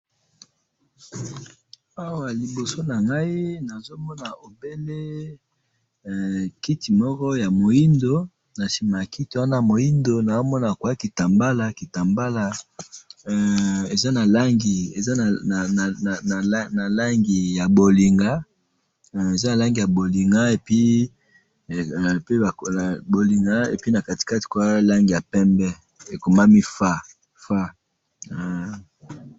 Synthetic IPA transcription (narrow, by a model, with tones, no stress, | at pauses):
a˦wa˨li˨bo˨so˦na˨ŋɡa˦i˦na˨zo˦mɔ˦na˨o˨be˦le˦˨ | ki˦ti˨mɔ˦kɔ˦ja˨mo˨ji˦ndo˦ | na˨ʃi˨ma˨ki˦ti˨wa˦na˦˨mo˨ji˦ndo˦na˨o˦mɔ˦na˨kwa˦ki˨ta˨mba˦la˦ki˨ta˨mba˦la˨ | e˨za˦na˨la˦ŋɡi˨e˨za˦n˨a˨na˨˦na˨la˦ŋɡi˨ja˨bo˨li˨ŋɡa˦˨ | e˨za˦na˨la˦ŋɡi˨ja˨bo˨li˨ŋɡa˦e˨pi˦˨ | pe˦a˨kbo˨li˨ŋɡa˦ḛ˨pi˦na˨ka˨ti̥˨ka˦ti̥˨kwa˦la˦ŋɡi˨ja˨pɛ˦mbɛ˦ | e˨ko˨ma˦mi˦fa˦ | fa˦˨